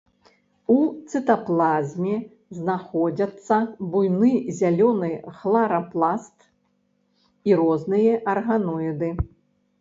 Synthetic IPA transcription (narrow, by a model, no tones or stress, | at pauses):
ut̪sɨt̪aplˠazʲmʲɛ | znaxɔd͡zʲɐt̪sːɐbujnɨzʲalʲɔnɨxlˠaɾɐplˠast̪ | iɾɔznɨjɐʔɐrɣanɔjid̪ɨ